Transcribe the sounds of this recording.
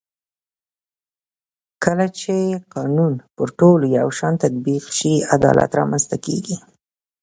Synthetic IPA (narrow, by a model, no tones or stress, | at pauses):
kəlat͡ʃeqɑnunpəɾʈolojawʃɑnt̪ad̪̚biqʃiad̪ɑ̰lʔa̰t̪ɾɑmanst̪akḛɡi